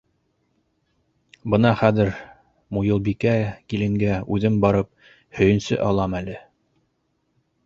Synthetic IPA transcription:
bɤ̆nɑχæðɘɾ | mujɤ̆lˠbikækilɘ̆ŋɡæʉðɘmbɑɾɤp̚ | hɵ̆jɘ̆nsɘ̰ʔɑlˠɑmælɘ

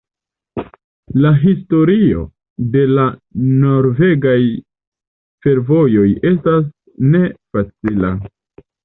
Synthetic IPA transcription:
laɦisto̞ɾio̞̰ | de̞lano̞ɾve̞ɡaj | fe̞ɾvo̞jo̞je̞s̬tas̬ | ne̞fat͡sila̰

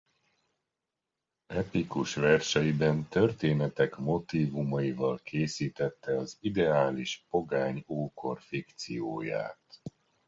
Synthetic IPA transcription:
ɛp̪ikuʃʋɛrʃɛjibɛnt̪ø̞rt̪eːnɛt̪ɛkmo̞t̪iːvumɒivɒlkʰeːsiːt̪ɛt̪ːɛɒzid̪ɛaːliʃpo̞ɡaːɲoːko̞rfikt̪sijoːja̰ːt̪

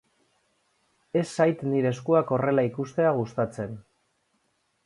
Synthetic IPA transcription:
e̞sːajt̪niɾe̞skuako̞re̞laikust̪e̞aɣ̞ust̪at͡se̞n

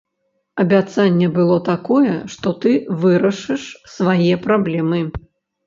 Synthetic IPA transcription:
ɐbʲat̪sanʲːɛbɨlˠɔt̪akɔjɛ̰ʂt̪ɔt̪ɨvɨɾɐʂɨʂsvajɛpɾablʲɛmɨ

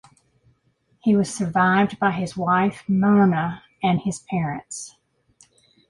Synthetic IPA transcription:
hiwʌz̥sə˞vaɪvdbaɪɨzwaɪfmɑɹnə | ɨ̃nɨz̥pʰɛɹɨ̃nts

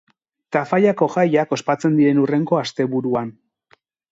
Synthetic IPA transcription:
t̪afajako̞ʝajako̞spat͡se̞nd̪iɾe̞nure̞ŋɡo̞ast̪e̞βuɾuan

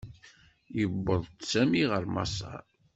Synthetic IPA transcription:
jəbːəðˤsæmiʁəɾmɑ̰sɑ̰

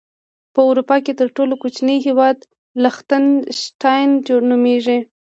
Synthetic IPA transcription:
pəawɾupɑket̪əɾʈolokut͡ʃnəjɦewɑd̪ | laxt̪anʃʈɑjnd͡ʒoɽnumeʐi

